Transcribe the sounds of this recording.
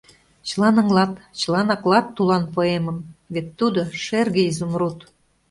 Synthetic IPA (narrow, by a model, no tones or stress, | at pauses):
t͡ɕəlɑnə̆ŋlɑt̪t͡ɕəlɑnɑklɑt̪ːulɑnpoeməmβet̪ːud̪oʃerɣĕizumrut̪